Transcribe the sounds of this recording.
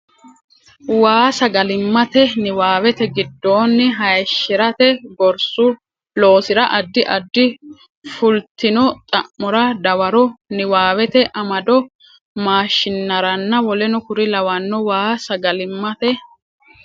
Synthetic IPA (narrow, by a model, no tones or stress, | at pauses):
waːsɐɡɐlɪmːɐt̪ɛnɪwaːwɛt̪ɛɡɪd̪ːo̞ːnːɪɦɐjʃːɪɾɐt̪ɛɡɔɾsʊ | lo̞ːsɪɾɐʔɐd̪ːɪʔɐd̪ːɪ | fʊlt̪ɪnɔt̪ʼɐʔːɔɾɐd̪ɐwɐɾɔnɪwaːwɛt̪ɛʔɐmɐd̪ɔ | maːʃɪnːɐɾɐnːɐwɔlɛnʊkʊɾɪlɐwɐnːɔwaːsɐɡɐlɪmːɐt̪ɛ